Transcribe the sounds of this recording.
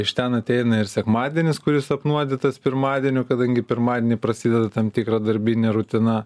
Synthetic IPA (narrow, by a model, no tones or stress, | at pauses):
ɪʃt̪ʲɛnɐt̪ʲɛɪnɐɪɾsʲɛkmɑːd̪ʲiɛnʲɪskʊɾʲɪsɐpnuɔd̪ʲɪt̪ɐspʲɪɾmɑːd̪ʲiɛnʲʊkɐd̪ɐŋʲɡʲɪpʲɪɾmɑːd̪ʲɛnʲɪpɾɐsʲid̪ʲɛd̪ɐt̪ɐmt̪ʲɪkɾɐd̪ɐɾʲbʲɪnʲeɾʊt̪ʲɪnɐ